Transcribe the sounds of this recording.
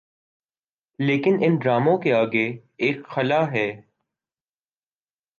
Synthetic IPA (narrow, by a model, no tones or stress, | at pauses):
leːkɪnɪnɖɾaːmõkeaːɡeeːkxɐlaːɦɛː